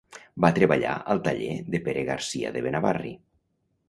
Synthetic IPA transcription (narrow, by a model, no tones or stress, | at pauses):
bat̪ɾeβaʎa̰əlˠt̪aʎeðepeɾeɣaɾsia̰ðeβenaβarḭ